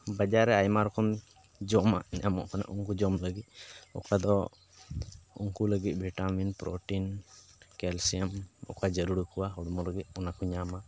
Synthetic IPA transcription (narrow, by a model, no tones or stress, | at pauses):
bad͡ʒaɾɛajmaɾɔkɔn | d͡ʒɔma̰ɲamɔ̰ʔkana̰ʔuŋkud͡ʒɔmləɡit̪̚ˀɔ̰kad̪ɔ | ṵŋkuləɡit̪̚ˀbʱiʈaminpɾo̰ʈinkɛlsiəmɔ̰kad͡ʒəɾuɽukuwaɦɔɽmɔləɡit̪̚ˀɔnakɔɲama